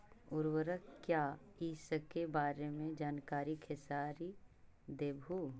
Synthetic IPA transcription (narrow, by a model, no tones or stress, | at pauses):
ʊɾwəɾəkkjaː | iːsəkːebaːɾemẽd͡ʒaːnkaːɾikʰɪsaːɾi | d̪eːbʱu